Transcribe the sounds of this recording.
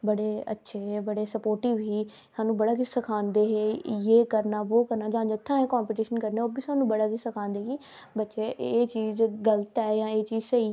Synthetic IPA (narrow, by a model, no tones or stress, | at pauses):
bəɽeːə̰tːʃʰebəɽeːsəpoːɾʈiːʋiː | saːnũːbəɽaːkɪsəkʰãːnd̪eːɦeːjeːkəɾnaːʋoːkəɾnaːd͡ʒãːd͡ʒɪt̪ʰːãːẽkãːmpiːʈiːʃənkəɾneːoːbiːsaːnũbəɽaːkɪsəkʰãːnd̪eːɦiː | bətːʃeːʔeːt͡ʃiːzɡələt̪ɛːjãːeːt͡ʃiːzseiː